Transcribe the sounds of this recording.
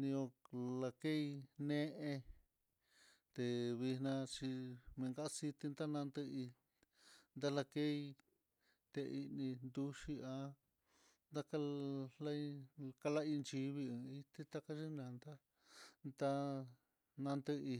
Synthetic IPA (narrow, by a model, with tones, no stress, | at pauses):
nĩ˧õ˧la˧ke˦i˧nẽ˦ʔẽ˧ | t̪e˨βi˧hnã˧t͡ʃi˧mẽ˧ŋɡa˦ʔsi˧t̪i˧nd̪a˦nã˧nd̪ɨ˧i˧ | nd̪a˦la˧ke˦i˧ | t̪e˧ʔi˧nĩ˧nd̪u˦ʃi˧ã˧ | nd̪a˦ka˧la˦i˧ka˧la˦i˧nt͡ʃi˧βi˧ɨ̃˨˧i˦t̪i˦t̪a˦˧ka˦ʃi˦nã˨˧nd̪a˦ | nd̪a˦ | nã˧nd̪ɨ˧i˧